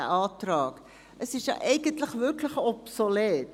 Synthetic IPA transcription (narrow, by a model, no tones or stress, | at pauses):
əʔɑːtrɑːk | əsɪsjɑ̰ʔɛjɡəntləχvɵrkləχɔpsolet